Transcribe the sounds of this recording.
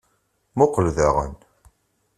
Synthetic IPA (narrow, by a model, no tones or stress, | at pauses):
mʊqəlðaʁə̰n